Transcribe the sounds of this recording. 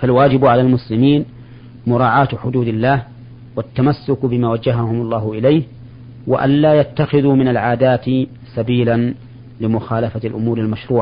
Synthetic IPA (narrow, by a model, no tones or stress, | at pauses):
falwaːd͡ʒɪbʕalaːlmʊslɪmiːn | mʊɾˤɑːʕaːt̪ħʊd̪uːd̪alːaːh | wat̪ːamasːʊkbɪmaːwad͡ʒːaɦahʊmɑlˤːɑːhʊʔɪlajh | wa̰ʔa̰nlaːjat̪ːaxɪðuːmɪnalʕaːd̪aːt̪ | sabiːlan | lɪmʊxaːlafalʔʊmuːɾalmaʃɾuːʕa